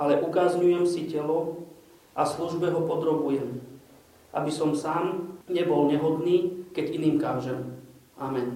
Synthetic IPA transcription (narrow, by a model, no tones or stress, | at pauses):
ʔalɛʔukazɲujɛmsicɛlɔ | ʔasluʒbɛɦɔpɔd̪ɾɔbujɛm | ʔa̰bisɔmsaːmɲɛbɔlɲɛɦɔd̪niːkɛɟiniːmkaʒɛm | ʔamɛn